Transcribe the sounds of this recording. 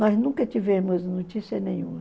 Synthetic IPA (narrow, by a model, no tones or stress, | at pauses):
nɔznũkɐt͡ʃivẽmʊznot͡ʃisiɐnẽj̃ũmɐ